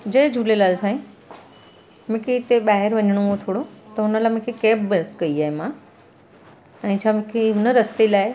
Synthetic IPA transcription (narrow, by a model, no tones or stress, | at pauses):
d͡ʑɐɪd͡ʑʱuːlelaːlsaːĩ | mʊ̃kʰeɪt̪eɓaːɦɪɾʋɐɲəɽ̃oõt̪ʰoːɽot̪ɐʊnəlaːɪmʊ̃kʰekeːbbəkɐiaːɦemã | ɛ̃ːt͡ɕʰaːmʊ̃kʰeɦʊnəɾɐst̪elaːɪ